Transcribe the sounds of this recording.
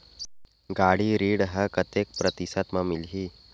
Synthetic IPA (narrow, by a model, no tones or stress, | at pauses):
ɡaɽiːɾiːɽɦəkət̪ek̚pɾət̪isat̪mamilɦiː